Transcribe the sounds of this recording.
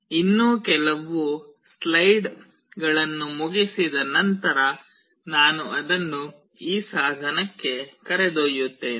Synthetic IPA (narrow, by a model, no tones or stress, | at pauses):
inːoːkɛlɐʋuslɐjɖ | ɡɐɭɐnːumuɡisid̪ɐnɐnt̪ɐɾɐ | naːnuɐd̪ɐnːu | iːsaːd̪ʱɐnɐkːe̞kɐɾed̪oːjut̪ːeːn